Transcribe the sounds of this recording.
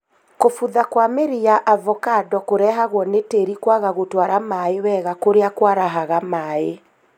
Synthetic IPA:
kofuðakwameɾiaʔavɔkadɔkoɾɛɦaɣwɔneteɾikwaɣaɣotwaɾamaewɛːɣakoɾeakwaɾaɦaɣamae

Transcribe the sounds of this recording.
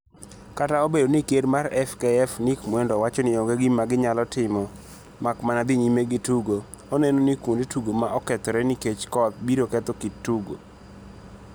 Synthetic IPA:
kataobedonikedmaɾɛfkɛɛfnikmwɛndɔwat͡ʃɔnɪoŋɡeɡimaɡɪɲalɔtɪmɔ | makmanad̪iɲimeɡɪtuɡo | onenonikundtuɡomaʔɔkɛt̪ɔɾɛniket͡ʃkɔt̪̚biɾokɛt̪okitːuɡo̰

